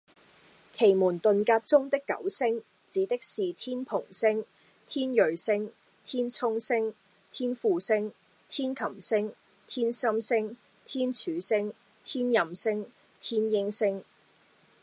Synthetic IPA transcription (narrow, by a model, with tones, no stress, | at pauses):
kʰe˨˩jmuː˨˩nt̪ɵ˨nkaː˧t̚t͡sʊ˥ŋt̪ɪ˥kːɐ̰˨˥wsɪ˥ŋ | t͡siː˨˥t̪ɪ˥k̚siː˨t̪ʰiː˥npʰʊ˨˩ŋsɪ˥ŋ | t̪ʰiː˥njɵ˨ɥsɪ˥ŋ | t̪ʰiː˥nt͡sʰʊ˥ŋsɪ˥ŋ | t̪ʰiː˥nfuː˨˧sɪ˥ŋ | t̪ʰiː˥nkʰɐ˨˩msɪ˥ŋ | t̪ʰiː˥nsɐ˥msɪ˥ŋ | t̪ʰiː˥nt͡ʃʰyː˨˥sɪ˥ŋ | t̪ʰiː˥njɐ˨msɪ˥ŋ | t̪ʰiː˥njɪ˥ŋsɪ˥ŋ